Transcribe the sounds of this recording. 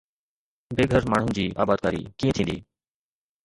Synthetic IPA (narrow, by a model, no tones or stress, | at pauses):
beːɡʱəɾmaːɳ̤ʊnd͡ʑiːʔa̰ːbaːd̪̚kaːɾḭːkĩːẽt̪ʰĩːnd̪ḭː